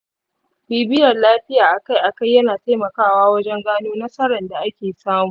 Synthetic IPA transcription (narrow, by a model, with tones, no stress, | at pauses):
biː˨bɪ˦jɐ˨rlaː˦ɸɪ˦jaː˨ʔa˨ka˦jʔa˨ka˦jɐ˦naː˨ta˦jmɐ˨kaː˦waː˦wɐ˦d͡ʒɛ˦ŋɡaː˦noː˦nɐ˦sɐ˦ɾɐ˨nda˨ʔa˦kʲeː˨saː˦muː˨ʔ